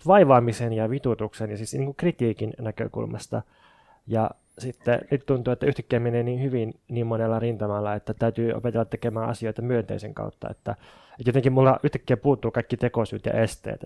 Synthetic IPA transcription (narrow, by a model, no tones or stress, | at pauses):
ʋɑiʋɑːmisenjɑʋit̪ut̪uksenjɑsisniːŋkukrit̪iːkinnækø̰kṵlmɑ̰st̪ɑ̰ | jɑ | sit̪ːḛnyt̪t̪unt̪uːet̪ːæyht̪æ̥kːeːmmeneːniːnhyʋinniːmmonelːɑrint̪ɑmɑlːɑet̪ːæt̪æyt̪yːʔo̰pet̪elːɑt̪ːekemæːʔɑ̰sioit̪ɑmyønt̪ḛiseŋkɑ̰ut̪ːɑ̰ḛt̪ːæ | et̪jot̪eŋkimulːɑʔyht̪æ̥kːeːpuːt̪ːuːkɑikːit̪ekosṵːt̪jɑ̰ʔest̪ḛːt̪